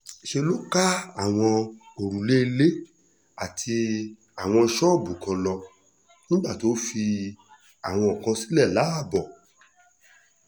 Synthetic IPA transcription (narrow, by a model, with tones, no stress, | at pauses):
ʃe˧lo˦ka˦a˦˨w̃ɔ̃˧ | o˨ɾũ˨le˦e˧le˦ | a˨tʰi˧ | a˨w̃ɔ̃˧ʃɔ˦˨bu˨kɔ̃˧lɔ˧ | nĩ˦ɡ͡ba˦˨to˦fi˧ | a˨w̃ɔ̃˧ɔ˨kã˧si̥˦lɛ˦˨la˨˦a˦˨bɔ˨